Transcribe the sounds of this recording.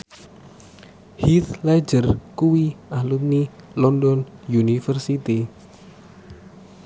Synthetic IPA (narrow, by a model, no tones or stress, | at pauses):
hit̪lɛ̥d͡ʒərkuwiahlut̪̚ni | lɔndɔnjunifərsit̪i